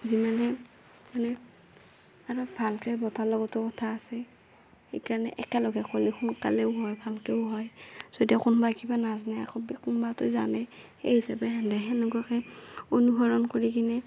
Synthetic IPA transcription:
zimanɛ | manɛ | aɹɔbʱalkɛbɔtalɔɡɔtʊkɔtʰaːsɛ | xḛjkaɹɔnɛ̰ʔɛ̰kɛlɔɡɛkolixunka̰leʊɦɔjbʱalkɛʊɦɔjz̥odiakunbaekibanaznaja̰kɔbɛkunbatʊza̰nɛxḛɦisabɛɦandɛɦɛnɔɡɔɔkɛonuɦɔɹɔnkoɹikinɛ

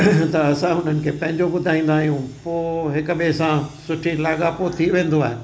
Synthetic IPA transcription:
t̪ɐɐsãɦʊn̤ənɪ̆kʰeːpɐ̃ɦɪ̃ɲd͡ʑoɓʊd̪ʱaːĩːn̆d̪aːɦijũpoːɦɪkʊɓesãsʊʈʰilaːɡapot̪ʰiʋẽːn̆d̪oaːɦe

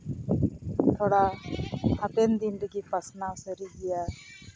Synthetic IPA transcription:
t̪ʰɔɽa | hat̪ɛnd̪ind̪əɡipasnasəɾiɡɛja

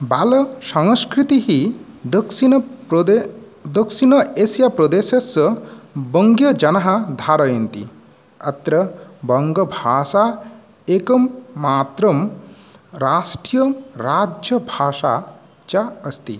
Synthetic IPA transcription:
balɐsɐŋskɾit̪iɦi | d̪ɐksinp̪e | d̪ɐksinɐesjapɾɔd̪eːsɐsɐbəŋɡjɐd͡ʒɐnaɦad̪ʱaɾɐjɐnt̪ḭ | ɐt̪ɾɐbɐŋɡɐbʱaːsa | ekɐmːaːt̪ɾɐm | ɾasʈijɐɾad͡ʒjəbʱaːʃa̰ | t͡ʃaəst̪ḭ

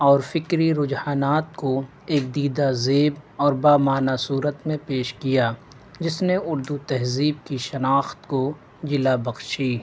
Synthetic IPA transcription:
ɔːɾfɪkɾiɾʊd͡ʒhaːnaːt̪̚ko | eːk̚d̪iːd̪azeːbɔːɾbaːmaːnasuːɾət̪mẽpeːʃkijaː | d͡ʒɪsneʊɾd̪ut̪ɛɦziːb̚kiʃɐnaːxt̪ko | d͡ʒɪlabɐxʃiː

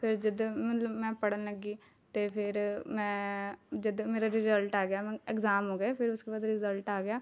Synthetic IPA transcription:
pʰɪɾd͡ʒəd̪mət̪ləbmɛ̃ːpəɽənləɡiː | t̪eːpʰɪɾmɛ̃ːd͡ʒəd̪meːɾaːɾɪzəlʈaːɡɪjaːmɛ̃ːɛkzaːmɦoːɡjaːpʰɪɾʊskeːbaːd̪ɾɪzəlʈaːɡɪjaː

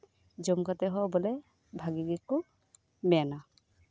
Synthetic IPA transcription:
d͡ʒɔmkat̪ɛɦɔbɔlɛ | bʱaɡiɡikːu | mɛana

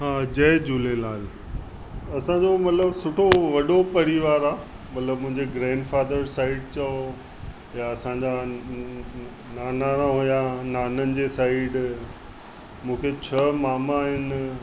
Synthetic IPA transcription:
ɦaːd͡ʑɐːd͡ʑuːlelaːl | ɐsãd͡ʑomɐt̪ləbsʊʈʰoʋɐɗopɐɾiʋaːɾaː | mɐt̪ləbmʊ̃ɦɪ̃ɲd͡ʑeɡɾɛ̃ːɳɖfaːd̪əɾsaːɪɖt͡ɕɐo | jaɐsãd͡ʑa | naːnaːnaɦujanaːnənɪ̆d͡ʑesaːɪɖ | mũːkʰet͡ɕʰɐmaːmaːɦɪn

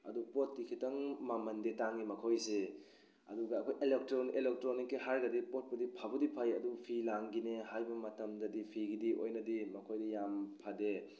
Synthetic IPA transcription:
ɐ̰dupot̚ːikʰitɐŋmamɐndetaŋːimɐkʰojse | ɐ̰duɡɐːkʰojʔelek̚tɾonʔelek̚tɾonikːehaɾɡɐdipot̚pɐdipʰabɐdipʰɐjɐdupʰilaŋɡinehajbɐmɐtɐmdɐdipʰiɡidiʔo̰jnɐdimɐkʰojdɐjampʰɐde

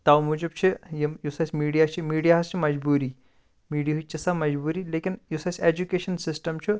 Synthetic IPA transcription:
t̪awmud͡ʒub̚t͡ʃʰijejusɐsʲmiːɽijat͡ʃʰimiːɽijaɦɐst͡ʃʰimɐd͡ʒbuːɾiː | miːɖiɦut͡ʃisɐmɐd͡ʒbuːɾilekinjusɐsʲed͡ʒukeːʃɐnsisʈɐmt͡ʃʰi

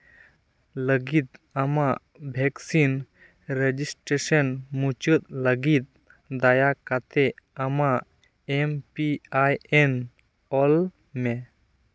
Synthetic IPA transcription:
ləɡit̪̚ɐmaʔ | bʱɛksin | ɾed͡ʒisʈɾesənmut͡ʃət̪̚ləɡit̪̚ | d̪ajakat̪eama | empiajen | ɔl | mɛ

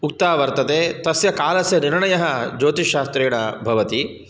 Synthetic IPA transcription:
uk̚t̪aːʋɐɾt̪ɐt̪eːt̪ɐsjɐkaːlɐsjɐniɾɳɐjɐɦɐd͡ʒoːt̪iʃaːst̪ɾeːɳɐbʱɐʋɐt̪i

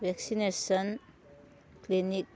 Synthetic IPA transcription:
wɛksinesən | klinik̚

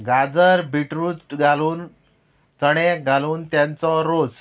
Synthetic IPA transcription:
ɡʱad͡zəɾbʱiʈɾut͡sɡʱaluːn | t͡səɽ̃eɡʱaluːnt̪jant͡sɔɾos

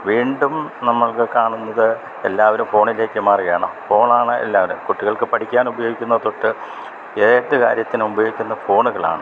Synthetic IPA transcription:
ʋiːɳɖumnɐmːɐɭkɨkaːɳunːɐðɨ | e̞lːaːʋɐɾumfo̞ːɳile̞ːkʲːɨmaːriɣɐjaːɳɐfo̞ːɳaːɳɨḛlːaːʋɐɾumkuʈːiɣɐɭkɨpɐʈʰikʲːaːnubɐjo̞ːɡikʲːunːɐt̪oʈːɨ | eːʈ̪ːɨka̰ːɾjɐt̪ːinubɐjo̞ːɡikʲːunːɐfo̞ːɳuɣɐɭa̰ːɳɨ

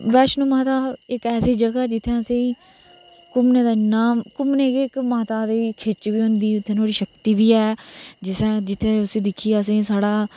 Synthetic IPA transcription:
bɛːʃnũːmaːt̪aːɪkɛːsiːd͡ʒəɡaːd͡ʒɪt̪ʰːẽːəsĩː | kʊmnẽːd̪aːnaːmkʊmneːkeɪkmaːt̪aːd̪iːkʰet͡ʃʋiːɦʊ̃nd̪iːʊt̪ʰːẽːnoːɽiːʃəkt̪iːbiːɛːd͡ʒɪsɛ̃ːd͡ʒɪt̪ʰːẽːʊsĩːd̪ɪkʰːiːaəs̬ẽːsaːɽaː

